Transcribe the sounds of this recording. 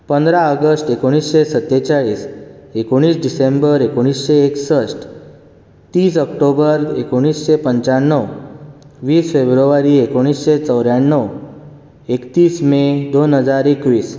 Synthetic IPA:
pənd̪ɾaəɡəsʈekoɽ̃isɕesət̪ːet͡ɕaɭiːsekoɽ̃iːsɖisembəɾekoɽ̃isɕeːksəsʈ | t̪iːsəkʈobəɾekoɽ̃iːsɕepəɲt͡ɕaɳːəw | ʋiːsfebɾəʋaɾiekoɽ̃iːsɕet͡səwɾjaɳːəw | ekt̪iːsmed̪onɦəd͡zaɾekʋiːs

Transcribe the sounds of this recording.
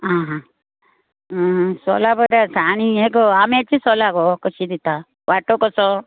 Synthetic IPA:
ɦãɦã | sɔ̰labəɾasañieɡɔamet͡ʃisɔlaɡɔkɔʃid̪it̪a | ʋaʈokɔsɔ

